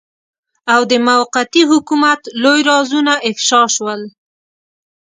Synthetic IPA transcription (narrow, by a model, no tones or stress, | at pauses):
awd̪əmawqat̪iɦʊkumat̪lojɾɑzunaʔɪfʃɑʃwəl